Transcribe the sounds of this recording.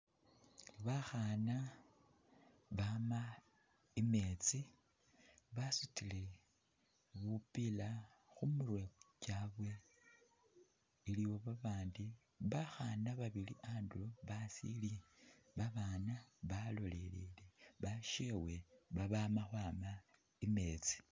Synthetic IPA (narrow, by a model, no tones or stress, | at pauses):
βaxana | βama | ime̞t͡si | βasutile̞ | βupila | xumurwecaβwe̞ | iliwo̞βaβaːndi | βaxanaβaβiliʔaːndulo̞βasḭliβaβaːnaβalo̞le̞lileβaʃewe̞βaβamaxwaːma | ime̞t͡si̥